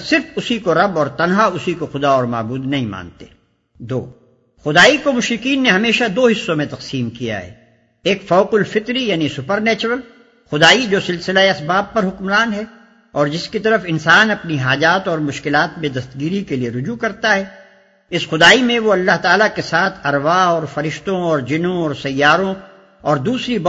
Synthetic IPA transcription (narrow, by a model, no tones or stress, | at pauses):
sɪɾfʊsikoɾɐbɔːɾt̪ɐnɦaʊsikoxʊd̪aɔːɾma̰ːbuːd̪nɐɦĩma̰ːnt̪ḛː | d̪o̰ː | xʊd̪aːikomʊʃɾɪqiːnːeɦɐmeːʃad̪oːɦɪsːõmẽt̪ɐqsiːmkija̰ɦɛ̰ː | eːkfɔːqʊlfɪt̪ɾijaːnisʊpəɾnɛːt͡ʃəɾəl | xʊd̪aːid͡ʒoːsɪlsɪlaeɐsbaːb̚pɐɾɦʊkmɾaːnɦɛ | ɔːɾd͡ʒɪskit̪ɐɾəfɪnsaːnɐpniɦaːd͡ʒaːt̪ɔːɾmʊʃkɪlaːt̪mẽd̪ɐst̪ɡiːɾikelieɾʊd͡ʒukɐɾt̪aɦɛː | ɪsxʊd̪aːimẽʋoɐlːaɦt̪aːlakesaːt̪ʰɐɾʋaɔːɾfɐɾɪʃt̪õɔːɾd͡ʒɪnõɔːɾsɐjːaːɾõ | ɔːɾd̪uːsɾib